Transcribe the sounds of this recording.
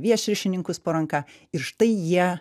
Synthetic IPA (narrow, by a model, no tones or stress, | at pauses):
ʋʲiɛʃʲɪɾʲʃʲɪnʲɪŋkʊspoːɾɐŋkɑ | ɪɾʃt̪ɐɪjiɛ